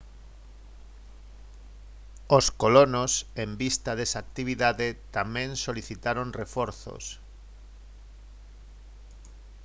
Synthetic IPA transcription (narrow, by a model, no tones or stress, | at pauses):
oskolonosembist̪aðesaːk̚t̪iβ̞iðaðet̪amẽŋsoliθit̪aɾonrefɔɾθo̰s